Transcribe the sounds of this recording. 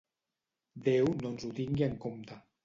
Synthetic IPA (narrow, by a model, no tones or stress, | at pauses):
d̪ewnonzut̪iŋɡiəŋkomt̪a